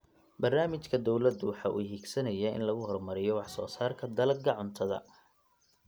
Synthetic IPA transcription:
bɐrnaːmɪt͡ʃkʰɐd̪ɔwlɐd̪ʊwɑħɑːʔṵːɦiːɡsɐnɐjaɪ̰nlɐɣʊɦɔrmɐɾɪjɔwɑħsɔːsaːrkʰɐd̪ɐlɐɡɐʕʊnt̪ʰɐðɐ̰

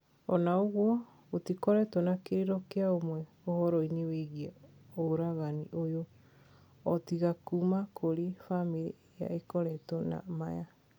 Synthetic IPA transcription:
ɔnaoɣwɔ | otikɔɾɛtwɔnakeɾeɾɔkeaomwɛ | ohɔɾɔineweɣiɛoɾaɣaniʔojo | ɔtiɣakumakʰoɾefamiɾi | ja̰ekɔɾɛtɔna̰maja

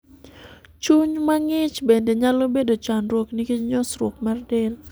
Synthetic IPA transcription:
t͡ʃuɲmaŋɪt͡ʃbendeɲalobedot͡ʃanrwoknikiɲɔsɾok̚mardɛl

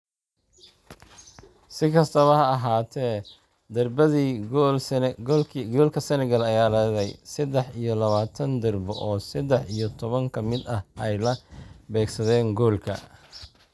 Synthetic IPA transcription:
sɪkʰɐst̪ʰɐβɐɦɐːɦaːt̪ʰɛː | d̪ɐrbɐðiːɡl | ɡɔːlkʰɐsɛnɛɡɐlɐjaːlɐðɛjsɐd̪ɛħijɞlɐβaːt̪ʰɐnd̪ɪrbɔ̰ʔɔːsɐd̪ɛħijɔt̪ʰɔβɐŋkʰɐmɪd̪ɐhʔɛjlɐbɛːɡsɐðɛːŋɡɔːlkʰɐ̰

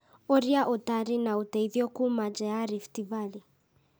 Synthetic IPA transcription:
oɾiaʔotaɾinautɛiðjɔkumad͡ʒɛaɾiftivali

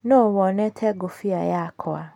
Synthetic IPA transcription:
nɔ̃wɔnɛ̃tʰɛɡofiajaakʰɔa

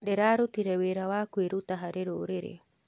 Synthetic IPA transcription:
ɾeɾaːɾut̪iɾeweɾawakueɾut̪aɦaɾeɾoɾeɾḛ

